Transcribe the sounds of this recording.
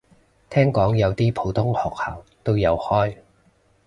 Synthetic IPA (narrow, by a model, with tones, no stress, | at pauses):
t̪ʰɛː˥ŋkɔː˨˥ŋjɐ˨˧wt̪iː˥pʰo˨˥wt̪ʰʊ˥ŋhɔː˨k̚ha̰ː˨˩wt̪o˥wjɐ˨˧whɔː˥j